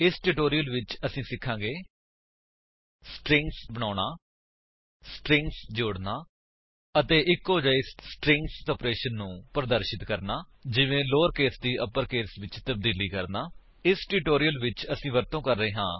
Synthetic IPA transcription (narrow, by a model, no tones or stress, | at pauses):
ɪsʈuːʈoːɾijəlʋɪt͡ʃəsĩːsɪkʰːãːɡeː | sʈɾɪ̃ŋksbəɳ̃aːnaː | sʈɾɪ̃ŋksd͡ʒoːɽnaː | ət̪eːʔɪkoːd͡ʒaːɪsːʈɾɪ̃ŋksoːpɾeːʃənːũːpəɾd̪əɾʃɪt̪kəɾnaːd͡ʒɪʋẽːloːɾkeːsd̪iːʔəpəɾkeːsʋɪt͡ʃt̪əb̚d̪iːliːkəɾnaː | ɪsʈuːʈoːɾijəlʋɪt͡ʃəsĩːʋəɾt̪õːkəɾːəeːɦãː